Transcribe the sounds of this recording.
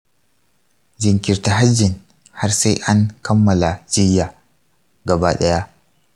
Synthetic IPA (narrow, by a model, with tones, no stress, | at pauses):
d͡ʒɪ˨ŋkʲɪ˨rta˨ɦa˦d͡ʒːɪ˨n | ha˦rsa˦jʔa˦ŋkɐ˦mːɐ˨la˨d͡ʒɪ˦jːaː˨ | ɡɐ˨baː˦ɗɐ˦ja˦ʔ